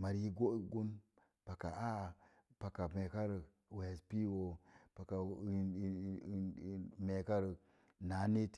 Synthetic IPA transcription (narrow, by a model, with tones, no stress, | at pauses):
ma˨ɾi˦ɡo˦ɡu˦n | pa˨ka̰˨a˦˨ | pa˨ka˨me˨ka˦ɾə˨ | we˨spi˦wo˨pa˨ka˨ | me˨ka˦ɾə˨ | na˨˦ni˦t